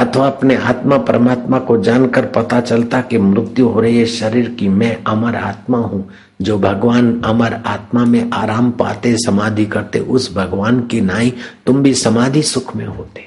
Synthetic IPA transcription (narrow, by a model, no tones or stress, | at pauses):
ɐt̪ʰʋaɐpnea̰ːt̪mapɾəmaːt̪makod͡ʒaːnkəɾpɐt̪at͡ʃɐlt̪akemɾʊt̪juɦoːɾɐɦieʃɐɾiːɾkimɛ̃ʔɐməɾa̰ːt̪maɦũ | d͡ʒoːbʱɐɡʋaːnɐməɾaːt̪mamẽʔaːɾaːmpa̰ːt̪esɐmaːd̪ʱikɐɾt̪ḛʔʊsbʱɐɡʋaːnkinaːĩt̪ʊmbʱisɐmaːd̪ʱisʊkʰmḛ̃ɦoːt̪e̥ː